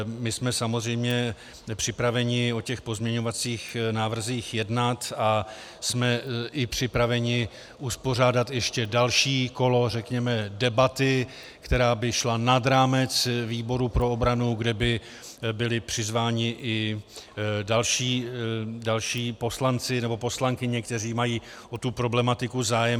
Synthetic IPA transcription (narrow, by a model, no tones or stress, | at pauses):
mɪsmɛsamozrɛjmɲɛ | pr̝̥ɪpɾavɛɲɪo̞cɛxpo̞zmɲɛɲo̞vat͡siːxnaːvr̩ziːxjɛdnat̪a | smɛʔɪpr̝̥ɪpɾavɛɲɪ | ʔuspo̞r̝aːdat̪jɛʃcɛdalʃiːko̞lo̞r̝ɛkɲɛmɛdɛbat̪ɪ | kt̪ɛɾaːbɪʃlanadɾaːmɛt͡sviːbo̞ɾupɾo̞obɾanuɡdɛbɪ | bɪlɪpr̝̥ɪzvaːɲɪʔɪ | dalʃiːdalʃiːpo̞slant͡sɪnɛbo̞po̞slaŋkɪɲɛkt̪ɛriːmajiː | ʔo̞t̪upɾo̞blɛmat̪ɪkuzaːjɛm